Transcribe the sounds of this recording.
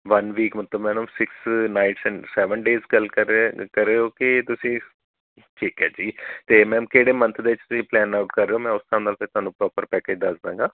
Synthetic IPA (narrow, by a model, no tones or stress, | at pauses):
ʋɐnʋiːkmət̪ləbmɛ̃ːnmsɪksnaːɪʈsɛ̃ɳsɛːʋənɖeːzkəlkəɾːeːɦoːkit̪ʊsĩː | ʈʰiːkɦɛːd͡ʒiːt̪eːmɛ̃ːmkeːɽeːmə̃nt̪ʰd̪eːʋɪt͡ʃt̪ʊsĩːplɛːnaːʊʈkəɾːeːɦoːmɛ̃ːʊst̪ʰaːnd̪aːlt̪et̪ʊɦaːnũpɾɔːpəɾpɛːkeːd͡ʒd̪ɐsd̪ãːŋɡaː